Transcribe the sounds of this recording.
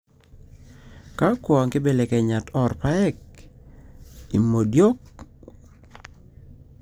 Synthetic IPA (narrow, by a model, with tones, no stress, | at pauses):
ka˦kwɔ˨a˨ŋkɪ˦be˦le˨kɛ˨ɲa˨tɔ˨rpa˦ɛ˦k̚ | ḭ˨mo˨djo˦k̚